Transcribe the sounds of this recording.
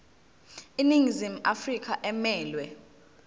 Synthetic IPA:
iniŋzim̩afrik̬ʰʼaʔɛmɛːlwɛ

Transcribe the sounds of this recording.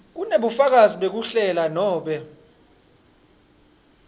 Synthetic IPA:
k̬uneɓufak̬aziɓek̬uɬɛlanɔːɓɛ

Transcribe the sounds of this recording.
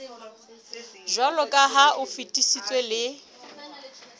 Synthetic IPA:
ʒwalɔkʼaɦaʔʊfitʼisit͡sʼwelɪ

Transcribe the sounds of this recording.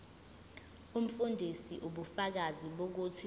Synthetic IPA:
um̩fundʱisiʔuɓufak̬aziɓok̬utʰi

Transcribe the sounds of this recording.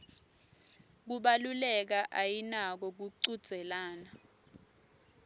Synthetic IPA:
k̬uɓalulɛk̬aʔajinak̬ɔk̬uǀud̥z̥ʱɛlaːna

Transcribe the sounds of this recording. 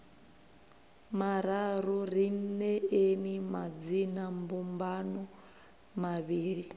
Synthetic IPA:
maɾaɾuɾinnɛenimad͡zinambumbanɔ | maβiːɺi

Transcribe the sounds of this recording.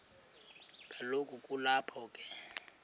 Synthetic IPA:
kʼalokʼukʼulapʰɔːkʼɛ

